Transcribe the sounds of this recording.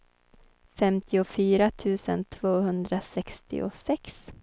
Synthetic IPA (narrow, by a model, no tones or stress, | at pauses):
fɛmt̪ʰɪʊfyːɾat̪ʰʉ̟ːsə̰nt̪ʰv̥oːɦɵnd̪ɾasɛkst̪ɪ̰ʔʊ̰sɛks